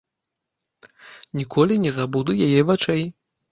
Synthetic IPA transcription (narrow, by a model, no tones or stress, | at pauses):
nʲikʰɔlʲinʲɛzabud̪ujajɛvat͡ʂɛj